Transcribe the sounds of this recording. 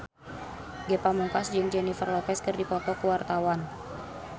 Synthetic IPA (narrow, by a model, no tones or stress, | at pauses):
ɡɛpamuŋkasd͡ʒɨŋd͡ʒɛnifərlɔpɛskɨrdipɔt̪ɔkuwart̪awan